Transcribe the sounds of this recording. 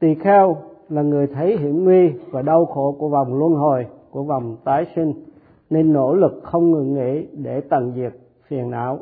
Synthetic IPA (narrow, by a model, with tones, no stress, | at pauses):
t̪i˨˧˨xɛ˧wlaː˨˩ŋɨ˨˩əjt̪ʰə˨˦jɦḭ˧˥əmwi˧vaː˨˩ɗə˧wxo˧˩˨ku˧˩əva˨˩wŋ͡mlwə˧nɦo˨˩jku˧˩əva˨˩wŋ͡mt̪aː˨˦jsï˧ŋ̟ | ne˧nːo̰˧˥lɨ˨˩k̚xə˧wŋ͡mŋɨ˨˩ŋːḭ˧˥ɗe˧˩t̪a˨˩ŋzi˨˩ət̚ | fi˨˩ənʔa̰ː˧˥˨w